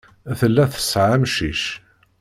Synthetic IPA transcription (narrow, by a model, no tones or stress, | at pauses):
θəlːæθə̥sʕamʃiʃ